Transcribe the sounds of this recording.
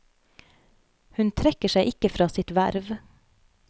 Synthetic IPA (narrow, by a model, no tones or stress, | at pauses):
hʉnt̪ʰɾɛkəʃæɪʔɪkəfɾɑːsɪt̪ʋæɾʋ